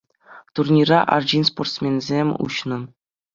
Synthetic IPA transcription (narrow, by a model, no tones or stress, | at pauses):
t̪urnʲirɑʔɑ̰rd͡ʑinsport̪smʲenzʲemʲṵɕnɤ̆